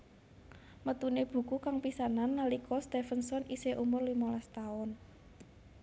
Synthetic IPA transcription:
mət̪uneb̥ṳkukaŋpisananːalikʰɔst̪efənsɔniseʔumʊrlimɔlast̪aʊn

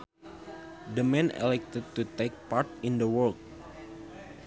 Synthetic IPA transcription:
dəmɛ̃nɛ̰lɛk̚t̪əd̚t̪ut̪ek̚part̪ĩndəwɔlk̚

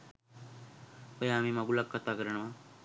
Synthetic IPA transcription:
ojaːmĩːmaɡulakʰːət̪aːkəɾəɳ̃əmãː

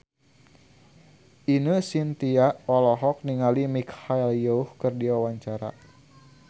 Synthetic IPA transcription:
ʔinəsint̪iaʔɔlɔɦɔk̚niŋalimikhaɛljɔuhkɨrdiwawaɲt͡ʃaɾa̰

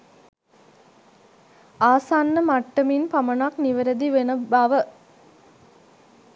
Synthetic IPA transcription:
aːsanːəmaʈːəminpamɐnakniʋəɾəd̪iʋenəbaʋə

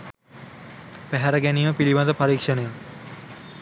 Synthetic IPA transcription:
pæɦæɾəɡæniːməpiliʋad̪əpɐɾiːkʂənəja

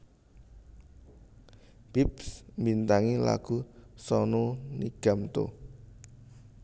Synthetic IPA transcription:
b̥ipsmbint̪aŋila̰ɡ̥usɔnoniɡ̥a̤mt̪o̰

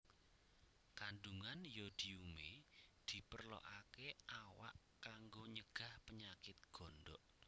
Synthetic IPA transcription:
kanduŋanjɔd̪̥iumed̪̥i̤pərlɔ̰ʔakeʔawa̰ʔ | kːaŋɡoɲəɡ̥ä̤hpəɲakɪt̪̚ɡ̥ɔ̤nɖɔ̰ʔ

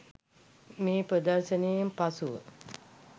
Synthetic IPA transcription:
meːpɾəd̪əɾʃənejmpasuʋə̰

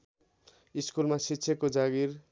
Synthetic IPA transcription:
iskulmasitːsʰjʌkːod͡zaɡir

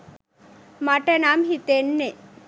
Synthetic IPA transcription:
maʈenamɦit̪enːe

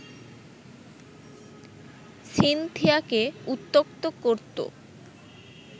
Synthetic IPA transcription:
ʃint̪ʰiakeut̪ːokt̪okoɾt̪o̰

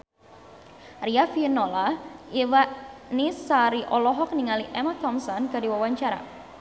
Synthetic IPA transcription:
riafinɔlaiwaʔnisaɾiʔɔlɔɦɔk̚niŋaliʔɛmat̪ɔmsɔnɡadiwawaɲt͡ʃaɾa̰

